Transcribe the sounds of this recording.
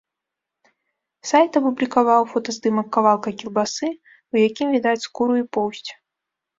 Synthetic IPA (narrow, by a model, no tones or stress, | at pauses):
sajt̪ɐpublʲikavawfɔt̪ɐzd̪ɨmɐkːavalˠkɐkʲirbasɨ | wjakʲimvʲid̪at͡sʲskuɾuipɔwsʲt͡sʲ